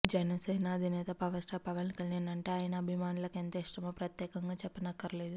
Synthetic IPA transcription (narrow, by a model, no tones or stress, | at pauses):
d͡ʒɐnɐsɛːnɐɐd̪ʱinɛːt̪ɐpɐʋɐsʈʰɐpɐʋɐnikɐljaːnːɐɳʈeːaːjɐnɐːbʱimaːnulɐkent̪ɐiʂʈɐmɐpɾɐt̪jɛːkɐŋɡaːt͡ʃɛpːɐnɐkːɐɾɐleːd̪u